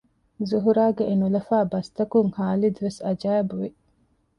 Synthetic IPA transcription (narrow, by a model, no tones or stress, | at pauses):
zuɦuɾaːɡeʔenulɐfæːbɐst̪ɐkuŋhaːlid̪uʋesɐd͡ʒæːbuʋi